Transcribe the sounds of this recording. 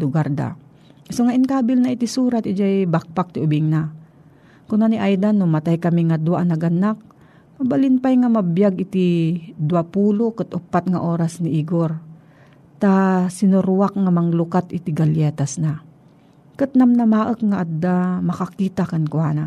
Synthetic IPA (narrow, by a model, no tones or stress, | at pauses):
lʊɡaɾd̪a̰ | soŋaʔɪnkaːbɪlnɐʔɪt̪isuːɾat̪ʔɪd͡ʒajbak̚pak̚t̪ɪʔʊbɪŋna | kʊnaniʔajd̪anːʊmɐt̪ajkɐmiŋɐd̪waʔnɐɡɐnak̚ | mɐbalɪnpajŋamɐbjaɡʔɪt̪id̪uwapuːlokɨt̪ʔʊpat̪̚ŋaʔoːɾasnɪʔiɡoɾ | t̪asɪnʊɾwak̚ŋamɐŋlʊkat̪ɪt̪ɪɡɐljɛːt̪asna | kɨt̪̚namnɐmaːʔəkŋaʔad̪ːamɐkakiːt̪akɐnkʊaːna